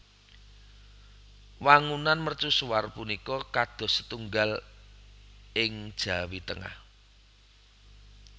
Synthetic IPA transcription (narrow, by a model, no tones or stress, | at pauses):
waŋunanmərt͡ʃusuwarpunikɔkad̪̥ɔ̤sə̥t̪uŋɡal | ɪŋd̥ʒ̥ä̤wit̪əŋa̰h